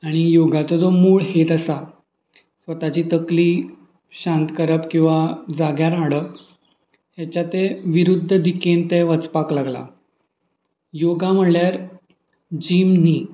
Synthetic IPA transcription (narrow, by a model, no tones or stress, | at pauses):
aɽ̃ijoɡat͡s̪ɔd̪omuːɭhet̪əsa | sʋət̪at͡ɕiːt̪əkliː | ɕãnt̪kəɾəpkĩw̃ʋad͡zaɡjaɾaɽə | ɦjat͡ɕat̪eʋiɾud̪ʱːəd̪ikent̪eʋət͡spaklaɡla̰ | joɡam̤əɳljaɾ | d͡ʑiːmniː